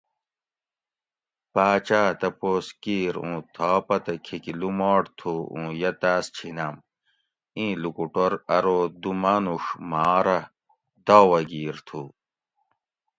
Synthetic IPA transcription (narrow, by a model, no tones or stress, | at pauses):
paːt͡ɕaːt̪ɐpoːskiːɾṵ̃ːt̪ʰaːpɐt̪ɐkʰikilumaːʈt̪ʰuũːjɐt̪aːst͡ɕʰinɐm | ĩːlukuʈoɾɐɾod̪umɐnuʂmaːɾɐ | d̪aːwɐɡiːɾt̪ʰuː